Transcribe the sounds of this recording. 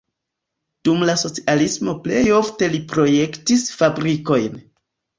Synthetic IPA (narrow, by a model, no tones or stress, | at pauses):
d̥umlaso̞t͡sialismo̞ple̞jo̞fte̞lipɾo̞je̞ktisfabɾiko̞jn